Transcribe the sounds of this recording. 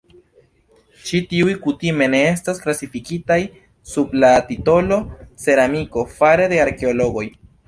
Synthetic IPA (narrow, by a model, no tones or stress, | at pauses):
t͡ʃitiujkutime̞ne̞e̞stasklasifikitaj | sublatito̞lo̞se̞ɾamiko̞faɾe̞de̞aɾke̞olo̞ɡo̞j